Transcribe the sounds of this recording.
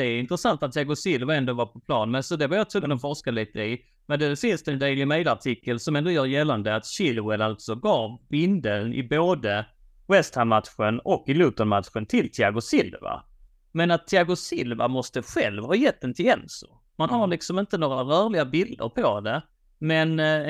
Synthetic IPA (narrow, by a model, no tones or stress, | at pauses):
d̪ɛɪnt̪ɾəsant̪at̪ʰːɪaɡʊsɪlvaɛnd̪ɔvapʰɔpʰlɑːnmɛnsɔd̪ɛvajat̪ʰɾʊɡənɔmfɔɾʂkaliːt̪əɪ | mɛd̪ɛɛsɪst̪ɛnd̪eːlɪmɛjlaʈʰɪkːəlsɔmɛnd̪ʊjœːɾjɛlːand̪əat̪ɕɪlwənalt̪sɔɡɑːvbɪnd̪ənɪ̰boːd̪ə | wɛst̪hamat̪ɧənɔkːɪlʉːt̪ɔnmat̪ɧənt̪ʰɪlt̪ʰɪaɡʊsɪlva̰ | mɛnat̪ʰːɪaɡʊsɪlva̰mɔst̪əɧɛlvhɑːjɛt̪̚ːd̪ɛnt̪ʰɪɛnsʊ̰ | manhaɾɭɪksɔmɪnt̪ənoːɾaɾœːɾɭɪɡabɪld̪ə̰ɾpʰɔd̪ɛ | mɛn